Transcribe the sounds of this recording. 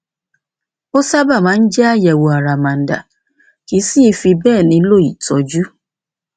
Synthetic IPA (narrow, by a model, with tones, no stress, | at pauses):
o˦sa˦ba˦˨mãː˨˦n̩˦d͡ʒɛ˦a˦˨jɛ˨wo˧a˨ɾa˨mã˨n˨da̰˨ | ki˨˦si˦i˧fi˧bɛː˦˨nĩ˧˦lo˦˨i˨tɔ˨˧d͡ʒu˦